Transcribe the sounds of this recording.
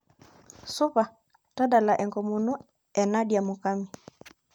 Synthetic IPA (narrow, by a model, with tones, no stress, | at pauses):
su˦pa˨ | ta˦ɗa˨la˨ʔɛ˨ŋɡɔ˨mu˨nu˦ | ɛ˨na˦ɗja˨mu˨ka˦mi˨